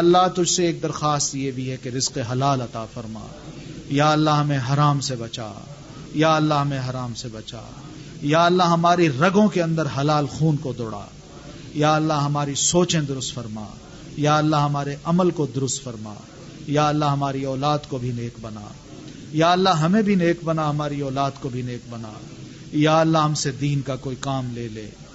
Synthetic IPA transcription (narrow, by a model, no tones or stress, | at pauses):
ɐlːaɦt̪ʊd͡ʒʱseːk̚d̪ɐɾxaːst̪jebʱiɦɛkeɾɪzqeɦɐlaːlɐt̪aːfɐɾma̰ː | jaːɐlːaɦɐmẽɦɐɾaːmsebɐt͡ʃa̰ː | jaːɐlːaɦɐmẽɦɐɾaːmsebɐt͡ʃa̰ː | jaːɐlːaɦɐmaːɾiɾɐɡõkeɐ̃nd̪əɾɦɐlaːlxuːnkod̪oːɽa̰ː | jaːɐlːaɦɐmaːɾisoːt͡ʃẽd̪ʊɾʊst̪fɐɾma̰ː | jaːɐlːaɦɐmaːɾeʔɐməlkod̪ʊɾʊst̪fɐɾma̰ː | jaːɐlːaɦɐmaːɾiɔːlaːd̪kobʱineːkbɐna̰ː | jaːɐlːaɦɐmẽbʱineːkbɐnaɦɐmaːɾiɔːlaːd̪kobʱineːk̚bɐna̰ː | jaːɐlːaɦɐmsed̪iːnkakoːikaːmleːlḛː